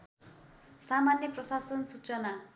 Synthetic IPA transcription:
samanleprʌsasʌnsut͡sʌna

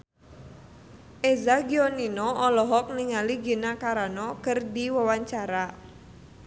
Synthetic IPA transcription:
ʔezaɡiɔninɔɔlɔɦɔk̚niŋaliɡinakaɾanɔkərdiwawaɲt͡ʃaɾa

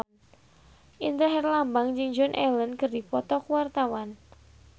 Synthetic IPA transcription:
ʔint̪əɦɛrlambaŋd͡ʒɪŋd͡ʒɔnʔɛlənkərdipɔt̪ɔkuwart̪awan

